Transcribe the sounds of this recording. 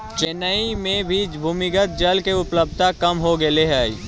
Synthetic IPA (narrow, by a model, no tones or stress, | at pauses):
t͡ʃenəimẽbʱid͡ʒbʱuːmɪkət̪̚d͡ʒɐlkeʊpləb̚t̪akɐmɦoɡɐleɦaːḭː